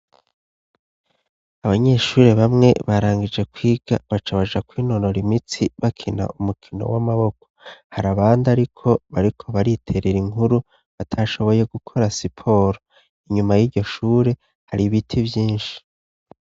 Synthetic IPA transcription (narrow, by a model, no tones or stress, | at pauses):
aβaɲe̞ʃuːɾeβamŋe̞̰βaɾaːŋɡid͡ʒe̞kwiːɡ̥a̰βat͡ʃaβaʒakwiːno̞ɾo̞ɾimit͡siβakʰina̰ʔumukʰino̞̰wamaβo̞ko̥haɾaβaːndaɾikʰo̞βaɾikʰo̞βaɾitʰe̞ɾeɾiŋuɾu | βatʰaʃo̞βo̞je̞ɡukʰo̞ɾasipʰo̞ɾo | iɲumajiːɾɟo̞ʃuːɾe̞ | haɾiβitʰivjiːnʃi̥